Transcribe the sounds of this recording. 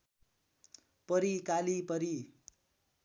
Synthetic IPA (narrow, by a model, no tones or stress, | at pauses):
pʌɾikalipʌɾi